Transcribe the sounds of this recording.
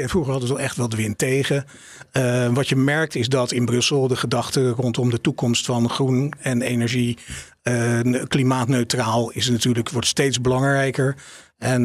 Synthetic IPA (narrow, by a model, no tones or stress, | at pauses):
ɛnfruχəɹɦɑdəʋətɔɛχtʋɛlˠdəʋɪntejχə | ʋɑtjəmɛɹk̚tɪzdɑtɪnbrɵsəlˠdəχədɑχtərɔntɔmdətukɔmstfɑnχrunɛnejnɛɹʒi | klimaːtnøɥtraːlˠɪsnatyːɹləkʋɔɹtstejtzbəlɑŋrɛjkəɹ | ɛn